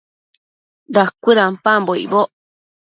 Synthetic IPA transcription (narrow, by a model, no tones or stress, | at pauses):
dakʷɨɾampãmboḭboʔ